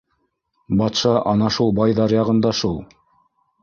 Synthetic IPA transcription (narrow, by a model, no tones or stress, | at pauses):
bɑt̪ʃɑʔɑnɑʃulˠbɑjðɑɾjɑʁɤ̆nd̪ɑʃulˠ